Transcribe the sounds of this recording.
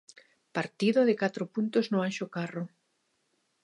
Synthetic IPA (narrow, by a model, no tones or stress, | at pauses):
paɾt̪iðoðɪkat̪ɾopunt̪oznoaʃokarʊ